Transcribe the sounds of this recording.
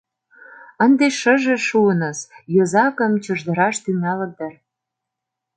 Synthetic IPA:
ə̆nd̪eʃə̆ʒĕʃuənə̆zjozɑkəmt͡ɕəʒd̪ə̆ɾɑʃt̪yŋɑlə̆k̚d̪ər

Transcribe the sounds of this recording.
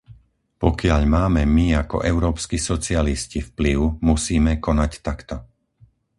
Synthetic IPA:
pɔkɪaʎmaːmɛmiakɔ̰ʔɛʊɾɔːpskisɔt͡sɪaliscifpliʊmusiːmɛkɔnact̪akt̪ɔ

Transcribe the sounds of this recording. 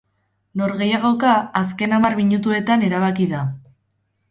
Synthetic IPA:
no̞ɾɣe̞jaɣ̞o̞kaːs̬ke̞namarmiɲut̪ue̞t̪ane̞ɾaβ̞akiða

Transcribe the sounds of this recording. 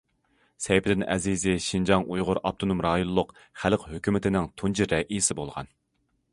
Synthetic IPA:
sɛjpʰɪd̪ɪnʔɛ̰zizɪʃind͡ʒɑŋʔujʁʊɾɑp̚t̪ʰonumɾɑːjonlˠːʊqχælqhøkʲymɪt̪ʰɪnɪŋt̪ʰunt͡ʃʰiɾɛʔisɪbolˠʁɑ̰n

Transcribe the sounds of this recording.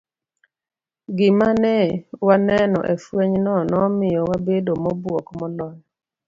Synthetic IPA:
ɡɪmanɛwanɛnɔ̰ʔefweɲnɔnɔmɪjɔwabedomɔbwɔkmɔlɔj

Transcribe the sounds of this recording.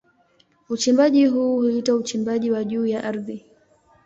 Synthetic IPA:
ut͡ʃimbaʄiɦuːhuitaut͡ʃimbaʄiwaʄuːjaʔaɾði

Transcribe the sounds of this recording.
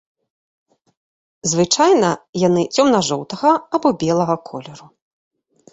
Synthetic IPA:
zvɨt͡ʂajnɐjan̪ɨt͡sʲɔmnɐʐɔwt̪ɐɣɐːbɔbʲɛlˠɐɣɐkʰɔlʲɛɾu

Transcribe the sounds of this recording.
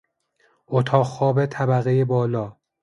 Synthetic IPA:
ot̪ʰɒːɣxɒːbet̪ʰæbæɣejebɒːlɒː

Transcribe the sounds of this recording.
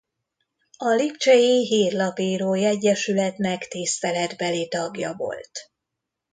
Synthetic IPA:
ɒlipt͡ʃɛjiɦiːrlɒpiːɾoːjɛɟːɛʃylɛt̪nɛkt̪ist̪ɛlɛd̪bɛlit̪ɒɡjɒ̰vo̞̰lt̪

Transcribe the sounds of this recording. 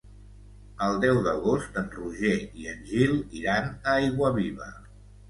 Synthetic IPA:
əlˠd̪ɛwðəɣost̪ənruʒeiənʲʒilˠiɾanəajɣwəβiβə

